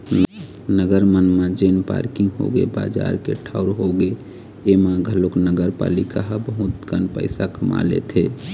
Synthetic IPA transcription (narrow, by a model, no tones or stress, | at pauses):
nəɡəɾmənmẽd͡ʒenpa̰ɾkɪŋɡɦo̰ɡḛba̰ːd͡ʒaɾkeʈʰaʊɾɦoɡe | emãɡʱəloknəɡəɾpalikaɦbəɦut̪ɡənpə̰ɪsakəma̰lḛt̪ʰe